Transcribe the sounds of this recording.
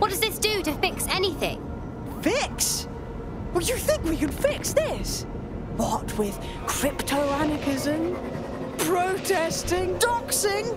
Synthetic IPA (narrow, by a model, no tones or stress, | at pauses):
wʌt̚d̥ʌzðɪsd̥ɨɾɨfɪksɛniθɪ̰̃ŋ | fɪks | wʌjɨθɪ̃ŋkwikɨ̃nfɪksðɪs | wʌt̚ʰwɪð̥ | kʰɹ̥ɪptʰoʊænəkɪzə̃m | pʰɹ̥oʊtʰɛstɪ̃ŋdɑksɪ̃ŋ